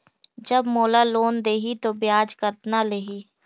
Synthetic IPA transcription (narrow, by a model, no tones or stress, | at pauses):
d͡ʒəbmoːlaloːnd̪eːɦit̪objaːd͡ʒkəɾt̪naleːɦiː